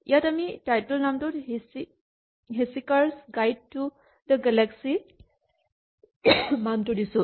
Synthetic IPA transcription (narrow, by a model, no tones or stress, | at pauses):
ḭjatamitajtəlnamtʊtɦsi | ɦesikaɹsɡajd̚tːu | d̪əɡɛlɛksi | mamtudisʊ̃